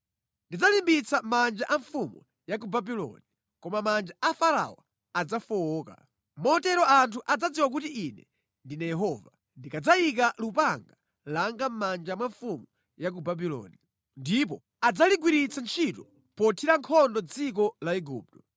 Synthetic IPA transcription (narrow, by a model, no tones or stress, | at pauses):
ndid͡zalimbit͡samand͡ʒaʔaɱfumṵ | jakubabilɔ̰ni | kɔmamand͡ʒaʔafaɾa̰wɔ̰ | ad͡zafɔɔːka̰ | mɔtɛɾɔantʰuʔad͡zad͡ziwak̬utiinɛ̰ | ndinɛjɛɦɔva | ndikad͡zaik̬alupaŋɡa | laŋɡam̩mand͡ʒamwaɱfumu | jak̬ubabilɔ̰ni | ndip̬ɔ | ad͡zaliɡwiɾit͡sant͡ʃʰitɔ | pɔtʰiɾaŋkʰɔndɔd͡zik̬ɔlaiɡuːp̚tɔ̥